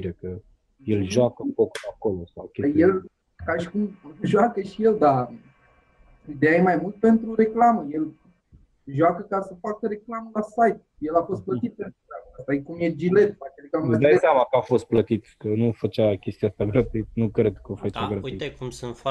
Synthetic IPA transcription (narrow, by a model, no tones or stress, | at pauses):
iɾekə | je̞lʒoakənkokako̞lo̞sawkʲejel | kaʃi̥kumʒwakəʃije̞ld̪a | id̪ejajemajmult̪̚pe̞nt̪ɾuɾe̞klaməje̞l | ʒwakəkasəfakəɾe̞klaməlasajt̪ | jelafo̞st̪̚plət̪sit̪̚pe̞nt̪ɾuakast̪akumjed͡ʒile̞t̪fat͡ʃeɾeklaməad̪ajsamakəafo̞st̪̚plət̪it̪kənufət͡ʃakʲe̞st̪iast̪aɡɾat̪uit̪nukɾe̞d̪kəofət͡ʃaɡɾat̪it̪ekumsɨnf